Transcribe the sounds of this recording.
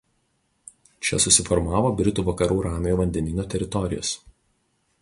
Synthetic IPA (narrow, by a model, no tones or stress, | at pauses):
t͡ʃʲɛ̰sʊsʲɪfɔɾmɑːʋoːbʲɾʲɪt̪uːʋɐkɐɾuːɾɑːmʲeːjoːʋɐnʲd̪ʲɛnʲɪnʲoːt̪ʲɛɾʲɪt̪ɔɾʲɪjo̰ːs